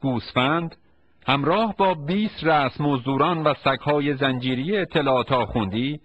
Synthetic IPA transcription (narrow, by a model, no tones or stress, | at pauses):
ɡ̥uːsfænd̪ | hæmɾɒːhbɒːbiːst̪ræsmozd̪uːɾɒːnvæsækʰhɒːje̞zænd͡ʒiːɾijeːt̪ʰːe̞lɒːt̪ʰɒːxund̪iː